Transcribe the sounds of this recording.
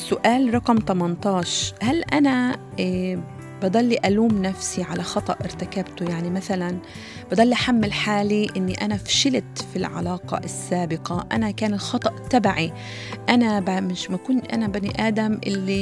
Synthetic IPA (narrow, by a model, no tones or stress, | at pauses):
sʊʔaːlɾˤɑqmt̪ɑmɑnt̪ˤɑːʃhalʔana | bɑd̪ˤɑlːiʔaluːmnafsiʕalaxɑt̪ˤɑʔʔɪɾt̪akabt̪ʊjaʕnimaθalan | bɑd̪ˤɑlːiʔaħamːɪlħaːliʔɪnːiʔanafʃɪlt̪filʕa̰lɑːqɑ̰ʔɪsːaːbɪqɑʔa̰nakaːnɪlxɑt̪ˤɑʔt̪ːabaʕi | ʔanabamɪʃmakuːnʔa̰nabaniʔaːd̪amʔɪlːi